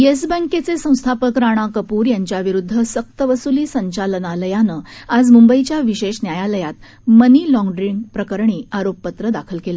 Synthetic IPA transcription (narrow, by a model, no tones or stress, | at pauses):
jes̬bə̃ŋket͡sesə̃w̃st̪ʰapəkɾaɽ̃akəpuːɾjaɲt͡ɕjaʋiɾud̪ʱːəsək̚t̪əʋəsuliːsəɲt͡ɕalnaləjanəad͡zmumbəit͡ɕjaʋiɕeɕnjajaləjat̪ | məniːlɔ̃ŋɡɖɾiŋɡpɾəkəɾɳ̃iːaɾopːət̪ɾəd̪akʰəlkelə